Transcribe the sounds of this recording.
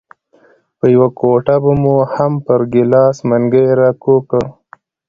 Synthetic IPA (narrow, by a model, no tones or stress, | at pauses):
pəjawakoʈabamuhampəɾɡɪlɑːsmaŋɡəeɾakokə